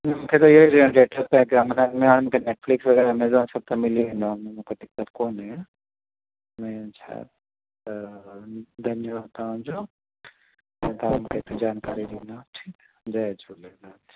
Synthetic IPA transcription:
mũːkʰet̪oɪɦoiɾiãɖeːʈəpɛ̃ɡamnamẽɦaːɽ̃mũːkʰeneːʈflɪksʋɐɡɛːɾmɛːzbaːnsɐb̚t̪ʰɐmɪliʋẽːnd̪ãm̃mũːkʰet̪ɪk̚tət̪koːnɦɛ̃ | mɛ̃t͡ʃʰa̰ | d̪ɐnjʋat̪ɐʋ̤ãd͡ʑoː | ɛ̃ːt̪ɐʋãmũkʰet̪ed͡ʑaːnkaːɾiɗiːnd̪aʈʰiːk | d͡ʑad͡ʒolɐɡnaːt̪ʰi̥

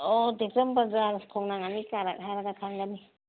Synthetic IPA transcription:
ɔdekɾəmbanzaɾkʰɔŋnaŋanikaɾak̚ɦaɾaɡakʰaŋɡani

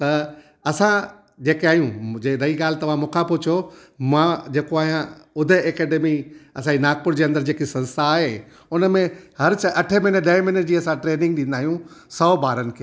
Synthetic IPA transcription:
t̪ɐ | ɐsã | d͡ʑeːkeaːjũd͡ʑeɾɐiɠaːl̤ɪt̪ɐʋ̤ãmũːkʰãpʊt͡ɕʰomãd͡ʑeːkoaːɦijãʊd̪ʱəɐːkeːɖemiɐsãːd͡ʑinaːk̚pʊɾd͡ʑeːɐ̃nd̪əɾd͡ʑeːkisɐ̃nst̪ʰaːɦe | ʊnə̆mẽhɐɾt͡ɕʰʔɐʈʰəmɪnəɗɐɦɪ̃mɪnəd͡ʑiːɐsãʈɾeːnɪ̃ŋɡɗĩnd̪aːɦijũsɔːbaːɾənɪ̆kʰeː

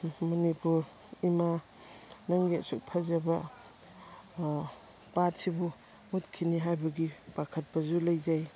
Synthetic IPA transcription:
mɔnipuɾ | ima | naŋɡetsuk̚pʰazaba | pat̚sibu | mutkʰiniɦajbaɡibakʰɐt̚bazulajzaj

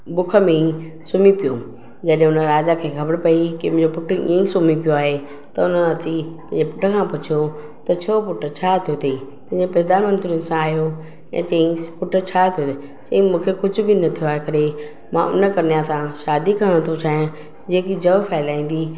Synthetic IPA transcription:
bʊkʰə̆mẽĩ | sʊmipijo | d͡ʑɐɗɦẽʊnəɾaːd͡ʑakʰeːxʰɐbəɾpɐikɪʊ̃ɲd͡ʑopʊʈʰəḭ̃ːĩsʊmipijoaːɦe | t̪ɐʊnəɐt͡ɕipɐ̃ɦɲd͡ʑepʊʈʰə̆kʰãpʊt͡ɕʰijo | t̪ɐt͡ɕʰoːpʊʈʰə̆t͡ɕʰaːt̪ʰijot̪ʰɐipɐ̃ɦɪ̃ɲd͡ʑepɛɾd̪aːnmə̃nt̪ɾiənsãaːɦijo | ɛ̰̃ːt͡ɕɐ̃ĩpʊʈʰə̆t͡ɕʰaːt̪ʰijot̪ | t͡ɕɐ̃ĩmũːkʰekʊd͡ʑʱʊbɪnɐt̪ʰijoaːɦekɐɾe | mã̰ʔʊ̰nə̆kɐɾnijasãʃaːd̪ikɐə̃ɽ̃t̪ʰot͡ɕʰaːɦ | d͡ʑeːkid͡ʑɐʋfaːɪlaːĩːn̆d̪i

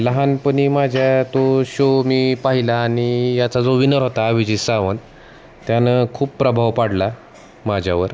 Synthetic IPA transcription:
ləɦanpəɽimad͡ʑʱjat̪oɕomiːpaɦilaːnijat͡sad͡zoʋinəɾɦot̪aːʋid͡ʑisaʋən | t̪janəkʰuːppɾəbʱaʋpaɽla | mad͡ʑʱjaʋəɾ

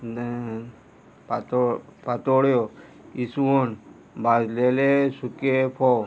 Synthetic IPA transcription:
pt̪pat̪oɽjoisuon | bazlelesukepʰo

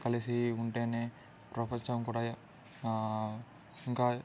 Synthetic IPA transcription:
kɐlisiuɳʈeːneː | pɾɐpɐɲt͡ʃɐmkuːɽaː | iŋkaː

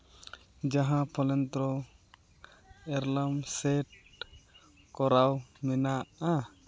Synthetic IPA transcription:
d͡ʒaɦãpʰɔlɛnt̪ɾɔ | ɛɾlamsɛʈ̚ | kɔɾawmɛnaʔa

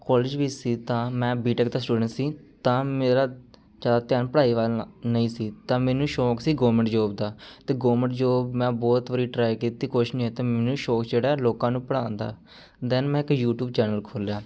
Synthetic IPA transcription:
kɔːlɪd͡ʒʋiːsiːt̪ãːmɛ̃ːbiːʈəkd̪aːsʈuːɖəɳʈsiːt̪ãːmeːɾaː | d͡ʒaːd̪aːt̪jaːnpəɽaːiːʋaːlnəĩːsiːt̪ãːmɛ̃ːnũːʃɔːksiːɡoːmə̃ɳʈd͡ʒoːbd̪aːt̪eːɡoːməɳʈd͡ʒoːbmɛ̃ːbɔːt̪ʋəɾiːʈɾaːikiːt̪iːkoːʃnĩːɛːt̪eːmɛːnũːʃɔːkd͡ʒeːɽaːloːkãːnũːpəɽãːnd̪a̰ː | d̪ɛnmɛ̃ːɪkjuːʈjuːbt͡ʃɛːnəlkʰoːljaː

